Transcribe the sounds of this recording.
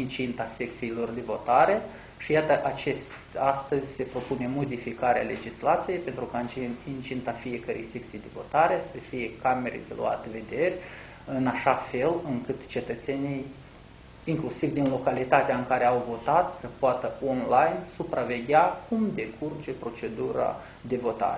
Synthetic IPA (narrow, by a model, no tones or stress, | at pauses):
int͡ʃint̪ase̞k̚t̪siːlo̞rd̪e̞vo̞t̪aɾe̞ | ʃijat̪əʔat͡ʃe̞st̪ʲast̪əzʲse̞pɾo̞pune̞mo̞d̪ifikaɾea̰le̞d͡ʒislat̪sije̞jpe̞nt̪ɾukaɨnt͡ʃiint͡ʃint̪afije̞kəɾḛjse̞k̚t̪sijd̪e̞vo̞̰t̪aɾe̞səfije̞kame̞ɾḛd̪e̞̰lṵa̰t̪eve̞d̪e̞rʲ | ɨnaʃafe̞lɨŋkɨt̪t͡ʃe̞t̪ət̪se̞nij | iŋklusivd̪inlo̞kalit̪at̪eaɨŋkaɾe̞awvo̞t̪at̪səpoat̪əo̞nlajnsupɾʔave̞ɡʲakumd̪e̞kʰurd͡ʒe̞pɾo̞t͡ʃe̞d̪uɾa̰ | d̪e̞vo̞t̪a̰ɾe